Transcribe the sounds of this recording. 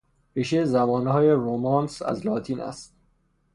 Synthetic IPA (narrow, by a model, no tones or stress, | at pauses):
piʃezæbɒːnhɒːjeɾomɒːnsæ̰zlɒːt̪ʰiːnʔæ̰st̪̚